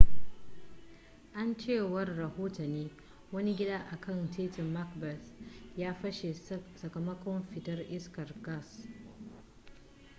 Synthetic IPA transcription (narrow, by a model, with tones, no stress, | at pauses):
ʔa˦nt͡ʃeː˦˨wɐ˦rːɐ˨hoː˦tɐ˨niː˦ | wɐ˦ni˦ɡʲɪ˦daː˦ʔa˨kʰɐ˦˨ntʰeː˦tɪ˨mːa˦kbɛ˨sjaː˦ɸɐ˦ʃe˨sɐ˨kɐ˨mːɐ˦kʷɔ˦mɸɪ˨tɐ˦rʔɪ˦skɐ˨rɡɐ˦˨s